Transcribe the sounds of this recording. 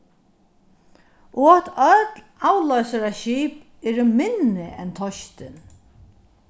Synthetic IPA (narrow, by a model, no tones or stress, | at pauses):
ʊɔt̪œt̪laːwlɔjsaɾaʃiːp | ɛːɾɪmɪnɪʔɛ̰nt̪ʰɔʃt̪ɪn